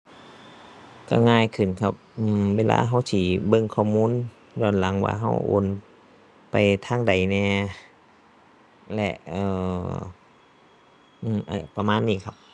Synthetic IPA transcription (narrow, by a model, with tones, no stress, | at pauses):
ka̰˧˩ŋaː˧˩˨jkʰɯ˨˩nkʰa˧p̚ʔɯː˧˩weː˧la̰ː˧˥ɦa˧˥˩wsiː˧˩bɤ˧˨ŋkʰɔː˧˩muː˧˥˨n | jɔː˧˩˨nla˨˦ŋwa̰ː˧˩ɦa˧˥˩wʔo̰˧˦n | pa˨jt̪ʰaː˧˥˨ŋda˨˩jnɛː˧ | lɛ̰˧ʔʔɤː˧˩ | ʔɯː˧˩mʔa̰˧˩pa˧maː˧˥˨nːiː˧˩kʰa˧˥p̚